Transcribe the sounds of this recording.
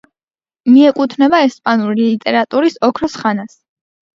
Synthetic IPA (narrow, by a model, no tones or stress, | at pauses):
miɛkʼut̪ʰnɛbaɛspʼanuɾilit̪ʼɛɾat̪ʼuɾisɔkʰɾɔsχanas